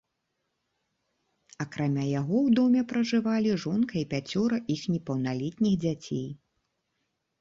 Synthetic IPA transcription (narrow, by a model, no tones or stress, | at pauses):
ɐkɾamʲajaɣɔwd̪ɔmʲɛpɾɐʐɨvalʲiʐɔnkɐipʲat͡sʲɔɾɐʔixnʲɛpɐwnalʲit̪̚nʲixd͡zʲat͡sʲḛj